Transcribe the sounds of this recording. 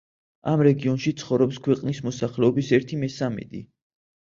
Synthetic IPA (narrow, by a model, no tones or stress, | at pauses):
amɾɛɡiɔnʃit̪sʰχɔvɾɔpskʰwɛqʼnismɔsaχlɛɔbisɛɾt̪ʰimɛsamɛ̰d̪ḭ